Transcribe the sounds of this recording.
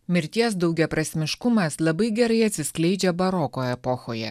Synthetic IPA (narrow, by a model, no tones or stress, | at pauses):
mʲɪɾʲt̪ʲiɛs̬d̪ɐʊɡʲɛpɾɐsʲmʲɪʃkʊmɐslˠɐbɐɪɡʲɛɾɐɪɐt̪ʲsʲɪsklʲɛɪd͡ʒʲɛbɐɾɔkoːɛpɔxoːjɛ̰